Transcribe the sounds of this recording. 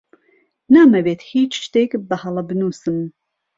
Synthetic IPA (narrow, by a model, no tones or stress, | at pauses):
naːmɛbeːt̪hiːt͡ʃʃt̪eːkbɐhɐlˠɐbɨnuːsɨm